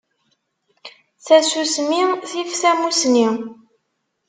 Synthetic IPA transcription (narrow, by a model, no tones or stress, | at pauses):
θæsusmiθifθæmusni